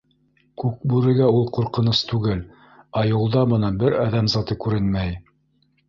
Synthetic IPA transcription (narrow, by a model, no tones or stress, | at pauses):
kʉk̚bʉɾɘ̆ɡæulˠquɾqɤ̆nɤst̪ʉɡɘl | ɑjŭlˠd̪ɑbɤ̆nɑbɘɾɑðæmzɑt̪ɤkʉɾɘnmæj